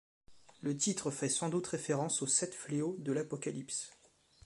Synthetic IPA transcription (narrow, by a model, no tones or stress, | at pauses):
lət̪it̪χəfɛsɑ̃d̪ut̪ʁefeʁɑ̃sosɛt̪fleod̪əlapɔkʲalips